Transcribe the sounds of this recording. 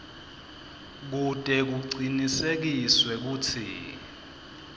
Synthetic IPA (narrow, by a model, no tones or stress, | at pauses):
k̬utʼɛk̬uǀinisek̬iswɛk̬uːtʰḭ